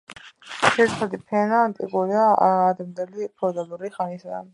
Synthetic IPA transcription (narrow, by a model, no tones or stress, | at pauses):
ʃɛɾt̪ʰad̪ipʰɛnaːnt̪ʼikʼuɾiaaːd̪md̪ɛlipʰɔd̪aluɾiχanisad̪a̰n